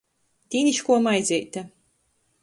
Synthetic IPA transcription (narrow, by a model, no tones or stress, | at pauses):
t̪ʲiːniʃkuɔmajd̪zʲɛjt̪ʲa